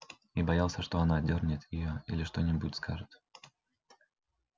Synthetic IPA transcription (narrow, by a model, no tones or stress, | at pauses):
ibɐjalˠsʲəʂt̪o̞ɐnadʲornʲɪt̪jɪjoḭlʲɪʂt̪o̞nʲɪbutʲskʰaʐɨt̪